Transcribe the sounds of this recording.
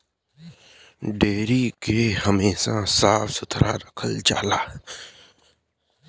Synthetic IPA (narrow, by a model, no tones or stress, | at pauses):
ɖeːɾiːkeːhəmeːsãsaːfsʊt̪ʰɾa̰ːɾəkʰəld͡ʒa̰ːlaː